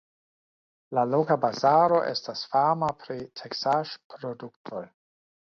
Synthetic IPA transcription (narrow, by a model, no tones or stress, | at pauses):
lalokabazaɾo̞ʔe̞̰stasfamapʰɾitʰeksaʃpɾoduktʰo̞j